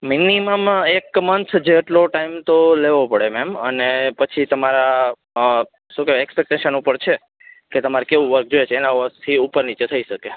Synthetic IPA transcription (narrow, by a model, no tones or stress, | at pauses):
miniməmekmənt̪ʰd͡ʒeːʈloʈaimt̪oleʋopəɽemɛmənepət͡ʃʰit̪əmaɾa | ʃũkeɾekspek̚ʈẽʃənupəɾt͡ʃʰe | ket̪əmaɾikeʋũʋəɾk̚d͡ʒojet͡ʃʰeːnaʋəɾkt̪ʰiupəɾnit͡ʃet̪ʰəiʃəke